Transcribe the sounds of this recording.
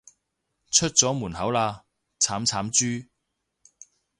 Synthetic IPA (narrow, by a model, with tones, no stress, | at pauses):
t͡ʃʰɵ˥t̚t͡sɔː˨˥muː˨˩nhɐ˨˥wlaː˧ | t͡sʰaː˨˥mt͡sʰaː˨˥mt͡ʃyː˥